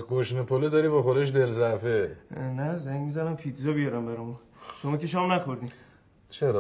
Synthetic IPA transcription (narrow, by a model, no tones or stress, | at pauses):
zɡoʃnepʰoled̪ɒːɾiːbɒxod̪eʃ̬d̪elzæfenæzæŋɡmizænæmpʰit̪ʰzɒːbijɒɾæmbæɾɒmun | ʃomɒːkʲeʃɒːmnæxoɾd̪im | t͡ʃʰeɾɒ